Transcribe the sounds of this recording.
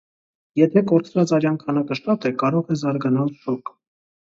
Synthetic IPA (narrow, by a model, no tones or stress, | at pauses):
jɛt̪ʰɛkɔɾt͡sʰvɑt͡sɑɾjɑnkʰɑnɑkəʃt̪ɑt̪ɛkɑɾɔʁɛzɑɾɡɑnɑlʃɔk